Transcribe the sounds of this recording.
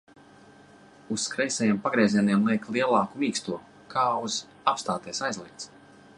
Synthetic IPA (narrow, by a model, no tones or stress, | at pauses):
usːkɾɛjsɛjiɛmpaɡɾɛːzʲiɛniɛmlˠiɛklˠiɛlˠɑːkumiːkst̪uɔ | kʰaːuz̥ | apst̪aːt̪ɛɛsajzlˠiɛt̪s